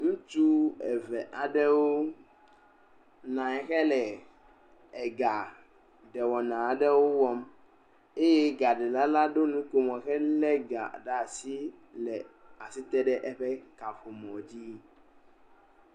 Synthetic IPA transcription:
ŋũ˦t͡ʃu˦ɛ˨vɛ˨ʔa˨ɖɛ˦wo˦ | nã˨ɛ˨xɛ˦lɛ˨ | ɛ˨ɡa˨ | ɖɛ˨wɔ˨nã˨a˨ɖɛ˦wo˦wɔ˦m | e˦jɛ˦ɡa˨ɖɛ˨la˦la˦ɖo˦nũ˦ko˨mɔ̃˨xɛ˦lɛ˦ɡa̰˨ɖa˨si˦lɛ˨a˨si˦t̪ɛ˦ɖɛ˦ʔɛ˦ɸɛ˦ka˨ɸo˨mɔ̃˨d͡ʑi˦

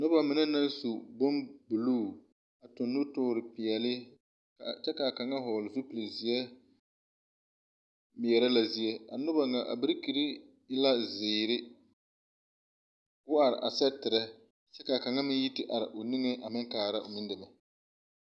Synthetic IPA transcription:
nʊ˦ba˦mɪ˨nɛ˦na˦nsu˨bʊ˦mbu˨luː˦˨ | a˨tʊ˨nːʊ˦tʊː˦ɾɪ˨pɪ˨jɛ˨lɪ˦ | ka˨t͡ʃɛ˦ka˨ka˨ŋa˦ɦɔː˨lɪ˨zu˦pi˨li˨zi˨jɛ˦ | mɪ˨ɛ˨ɾɛ˦la˨zi˨jɛ˦a̰˨nʊ˦ba˨ŋa˨ʔa̰˨bɪ˦ɾki˨ɾi˦ | ɪ˦la˦zɪː˨ɾɪ˦ | kʊ˦a˨ɾɪ̰˨ʔa̰˨sɛ˦tɪ˨ɾɛ˦ | t͡ʃɛ˦ka˨ka˨ŋa˦mɪ˦ji˦tɪ˦ʔa˨ɾɪ̰˨ʔo˨ni˦ŋe˦ʔa˨mɪ˦ŋkaː˨ɾa˦ʔʊ̰˨mi˦ndɪ˨mɛ˨

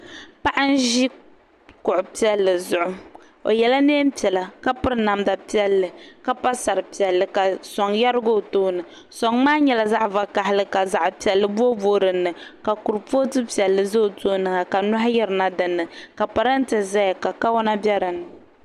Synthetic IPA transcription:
pa˦ʔa˦n̩˦ʒi˦ | kʊ˨ʔʊ˨pi˦ɛ˦lːɨ˨zʊ˨ʔʊ˦ | o̰˨jɛ˨la˦neː˦m˦pɛ˨la˨ka˦pɨ˦ɾɨ˦na˨mda˨pi˦ɛ˦lːɨ˨ka˦pa˦sa˨ɾɨ˨pi˨ɛ˨lːɨ˨ka˨sɔ˨ŋja˦ɾɨ˦ɡo˦˨toː˦nɨ˨ | sɔ˨ŋmaː˦ɲɛ˨la˨za˦ʔva˨ka˨ɦɪ˦lɨ˦ka˨za˨ʔpi˨ɛ˨lːɨ˦˨bo˦boː˦ɾɨ˨nːɨ˨ka˨ku˨ɾpo˦tɨ˦pi˨ɛ˨lːɨ˨zo˦˨toː˦nɨ˨ŋa˨ka˨nʊ˦ɦa˦jɛ˦ɾɨ˨na˦dɨ˨nːɨ˨ka˨pa˨ɾa˦n̩˦tɨ˨za˦jka˨ka˦wɔ˦na˦bjɛ˦ɾɨ˨nɨ˨

